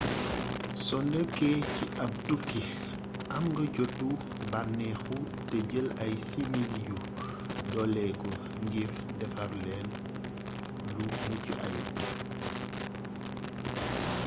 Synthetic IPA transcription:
sɔnɛkːɛciʔɐp̚dukːi | ʔɐmɡɐɟɔtːu | banːɛxu | tɛɟəlɐjsimidiju | dɔlɛɡɔ | ŋɡir | dɛfaɾlɛːn | lumucḭʔa̰j

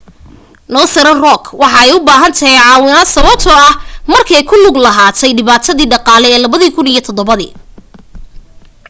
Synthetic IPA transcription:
nɔːsɐɾɐnrɔkʰwɑħɑɛjʊbaːɦɐnt̪ʰɐɦɛjʕɑːwɪnaːsɐβɐb̚t̪ʰɔɐhmɐrkʰɛjkʰʊlʊɡlɐɦaːt̪ʰɛjɖɪβaːt̪ʰɐðiːɖɑqɑːlɛɛːlɐβɐðiːkʰʊnijɐt̪ʰɔd̪ɔβɐðḭː

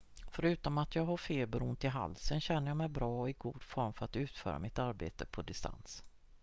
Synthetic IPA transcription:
fœɾʉ̟ːt̪ɔmat̪jɑːɡɦafeːlbɾuːnt̪ɪɦa̰lsənɕɛnːəɾjɑːmɛjbɾɑːɔɪɡuːd̪̥fɔɾmfœɾat̪ʉ̟ːt̪fœ̰ːɾa̰mɪt̪aɾbḛːt̪əpʰɔd̪ɪst̪a̰ns

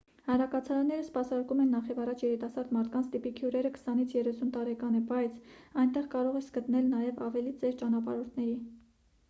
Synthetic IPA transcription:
hɑɾɑkɑt͡sʰɑɾɑnːɛɾəspɑsɑɾkumɛnːɑχjɛvɑrɑt͡ʃʰjɛɾit̪ɑsɑɾd̪mɑɾt̪ʰkɑnt͡sʰt̪ipikʰjuɾɛɾəkʰə̥sɑnit͡sʰjɛrɛsunt̪ɑɾɛkɑnɛbɑjt͡sʰɑjnt̪ɛʁkɑɾɔʁɛsɡət̪nɛlnɑjɛvɑvɛlit͡sɛɾt͡ʃɑnɑpɑ̰ɾɔɾt̪ʰnɛɾi

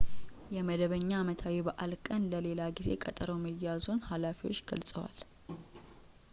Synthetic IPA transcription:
jɛməd̪əβəɲːaːmət̪ʰawibaʔalkʼənləle̞laɡize̞kʼət̪ʼəɾəwməjːazonhalafiwo̞t͡ʃːɡə̰lsʼəwa̰l

